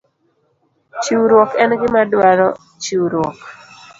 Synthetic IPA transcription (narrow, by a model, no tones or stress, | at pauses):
t͡ʃuwɾwɔkɛnɡɪmadwaɾɔ | t͡ʃuwɾwɔk